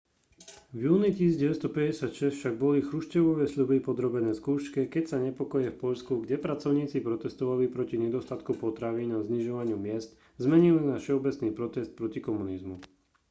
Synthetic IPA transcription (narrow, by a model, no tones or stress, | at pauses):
vjuːnic̪iːsiɟɛʋɛst̪ɔpɛɟɛsɪacʃɛst̪fʃaɡ̚bɔlixɾuʃcɛʋɔʋɛsʎubipɔd̪ɾɔbɛnɛːskuːʃkɛkɛcsaɲɛpɔkɔjɛfpɔʎskuɡɟɛpɾat͡sɔʊɲiːt͡sipɾɔt̪ɛst̪ɔʋalipɾɔciɲɛd̪ɔst̪at̪kupɔt̪ɾaʋiːnazɲiʒɔʋaɲɪumɪɛst̪ | zmɛɲilinafʃɛɔbɛt͡sniːpɾɔt̪ɛst̪̚pɾɔcikɔmunizmu